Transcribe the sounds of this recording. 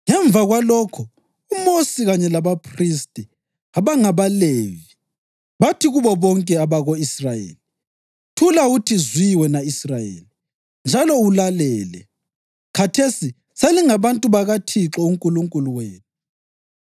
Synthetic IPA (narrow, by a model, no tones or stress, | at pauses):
ŋɛɱb̪vaɣwalɔkʰɔ | umosiɣaɲɛlaβapʰristʼɛ | aβaŋaβaleːvi | βatʰiɣuβɔβɔŋkʼɛaβaɣoisrajḛːli | tʰulautʰizwiwɛnaisrajḛːli | nd͡ʒʱalɔulalɛːlɛ̰ | kʰatʰesi | seliŋaβantʼuβaɣatʰiǁɔuŋkʼuluŋkʼuluweːnu